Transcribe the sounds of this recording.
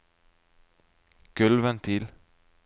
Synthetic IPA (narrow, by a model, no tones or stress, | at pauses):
ɡ̥ʉlʋənt̪ʰɪl